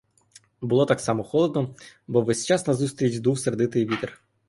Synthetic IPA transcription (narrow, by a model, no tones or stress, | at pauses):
bulˠɔt̪ɑksɑmɔxɔlˠɔd̪nɔbɔʋɛsʲt͡ʃɑsnɐzust̪ʲɾʲit͡ʃd̪uwserd̪ɪt̪ɪjʋʲit̪ɪr